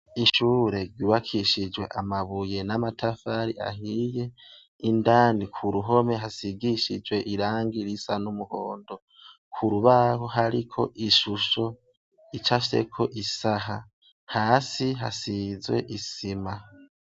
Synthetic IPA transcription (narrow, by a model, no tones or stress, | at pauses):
iʃuːɾeɾɟuːβakʰiʃid͡ʒwe̞̰ʔamaβuje̞namatʰafaɾia̰hije̞ | indanikʰuɾuɦo̞me̞ɦasiɡiʃid͡ʒwe̞ʔiɾaːŋɡiɾisanumuhoːndo̞ | kʰuɾuβaɦoɦaɾikʰo̞̰ʔiʃuʃo̞ | it͡ʃafise̞̰kʰo̞ʔisaɦa | haːsiɦasizwe̞̰ʔisima